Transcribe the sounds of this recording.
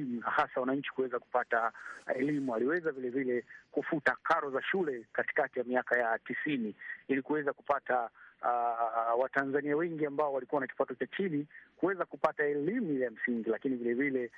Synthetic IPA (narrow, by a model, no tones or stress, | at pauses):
munahasawanaɲt͡ʃi̥kuwɛzaku̥pataɛlimualiwɛzavilɛvilɛkufutakaɾɔzaʃulɛkati̥katijamiakajatisiniilikuwɛzakupata | watanzaniawɛŋɡiambaɔwalikuwanaki̥patɔt͡ʃat͡ʃinikuwɛzakupataɛlimuilam̩siŋɡilakinivilɛvilɛ